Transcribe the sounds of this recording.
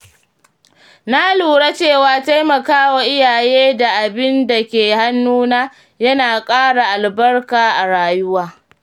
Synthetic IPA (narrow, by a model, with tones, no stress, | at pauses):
na˦luː˨ɽa˦t͡ʃeː˦˨waː˦ta˦jmɐ˨kaː˦wa˨ʔɪ˦jaː˨jeː˦da˨ʔa˨bɪ˦nda˨kʲeː˨ha˦nːuː˦naː˦ | jɐ˦naː˨kʼaː˦ɽa˨ʔa˨lbɐ˦rkaː˨ʔa˨ɽaː˨jʊ˦waː˦